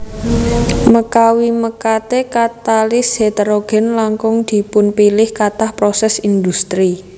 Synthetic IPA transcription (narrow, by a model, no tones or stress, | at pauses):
məkawiməkat̪ekat̪alɪshet̪əɾoɡ̥ɛ̤nlaŋkʊŋd̪̥i̤pʊnpilɪhkat̪ahpɾɔsɛsind̪ust̪ɾi